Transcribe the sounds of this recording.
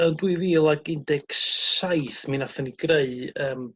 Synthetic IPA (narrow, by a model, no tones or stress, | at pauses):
əndwɨviːlˠaɡɪndɛɡ̥sajθminaθəniɡreɨəːm